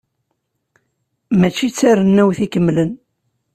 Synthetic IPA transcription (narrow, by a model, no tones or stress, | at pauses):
mæt͡ʃːit͡sːaɾənːæwθikəmːlən